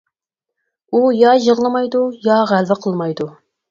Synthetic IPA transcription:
ujɑʒəʁlˠɨmɑjd̪ujɑʁælvɪqʰəlˠmɑjd̪u

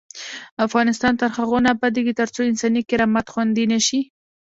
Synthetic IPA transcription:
afɣɑnɪst̪ɑnt̪aɾxaɣonapad̪eɡit̪aɾt͡soɪnsɑnikɪɾamat̪xwand̪inaʃi

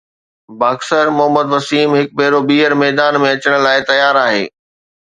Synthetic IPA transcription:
baːksəɾmʊɦəməd̪ʋɐsiːmɦɪk̚bʱeːɾobiːəɾmɛːd̪aːnmẽɐt͡ɕəɽ̃̆laːɪt̪ɐjaːɾaːɦḛː

